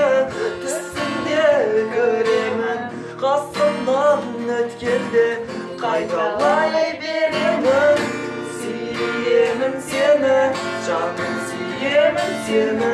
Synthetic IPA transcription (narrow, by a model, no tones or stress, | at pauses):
t̪ʰɪst̪ɪnd̪ekʲʰɵɾemɪn | qʰɑst̪əld̪ɑʁənɵt̪kʲend̪ɪ | qʰɑjt̪ɑlˠɑjbeɾemɪn | si | jemɪmsenɪ | ʒɑʁənsijemɪnsemɪ